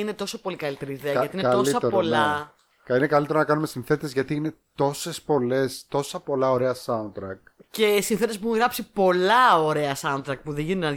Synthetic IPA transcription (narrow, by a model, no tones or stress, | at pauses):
ine̞t̪o̞sopo̞likɐlit̪e̞ɾiːðeɐɐt̪inet̪ossɐeɾpolɐ | kinekɐlit̪e̞ɾonɐkɐnumesinθe̞t̪it̪ezʝɐt̪iine̞t̪o̞sespo̞le̞st̪o̞sɐpo̞lɐo̞ɾe̞ɐsɐunt̪ɾɐk̚ | ce̞sinθe̞t̪epuuɣɾɐpsipo̞lɐo̞ɾe̞ɐsɐunt̪ɾɐk̪̚puðeʝinunnɐ